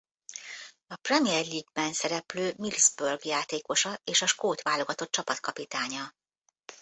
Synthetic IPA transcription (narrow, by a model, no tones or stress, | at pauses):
ɒprɛmiɛrliːɡ̚bɛnsɛɾɛpløːmilzbørɡjaːt̪eːko̞ʃɒeːʃɒʃkoːt̪ʋaːlo̞ɡɒt̪o̞t̪̚t͡ʃɒpɒt̪kɒpit̪aːɲɒ